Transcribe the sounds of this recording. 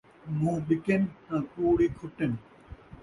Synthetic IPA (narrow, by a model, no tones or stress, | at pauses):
mũːɓɪkɪnhãːkuːɽiːkʰʊʈən